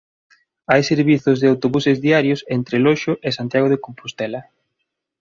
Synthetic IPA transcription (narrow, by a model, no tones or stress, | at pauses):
ajseɾβiθʊzðɪawt̪oβusezðiaɾjosent̪ɾelɔʃoʔesant̪jaɣoð̞ekompost̪ɛlɐ